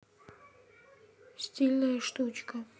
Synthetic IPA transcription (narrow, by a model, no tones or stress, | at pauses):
sʲtʲilʲnɐjɐʂt̪ut͡ʃkɐ